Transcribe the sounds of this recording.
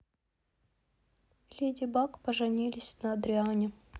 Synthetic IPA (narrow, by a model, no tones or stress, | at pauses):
lʲedʲɪbakpəʐɨnʲilʲɪsʲnɐːd̪ɾʲɪanʲɪ